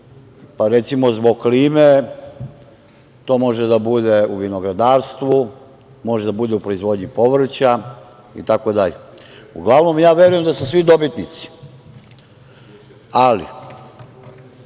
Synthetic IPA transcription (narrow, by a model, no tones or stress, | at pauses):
paɾet̪simo̞zbo̞ɡkliːme | t̪o̞ːmo̞ʒed̪abud̪e̞uʋino̞ɡɾad̪aːɾst̪ʋu | mo̞ʒed̪abud̪eupɾoizʋo̞ːd̪ɲipo̞ʋr̩t͡ɕa | ḭt̪ako̞d̪aʎeuɡlˠaʋno̞mjaːʋe̞ɾujemd̪asusʋid̪o̞bit̪nit̪si̥ | alḭ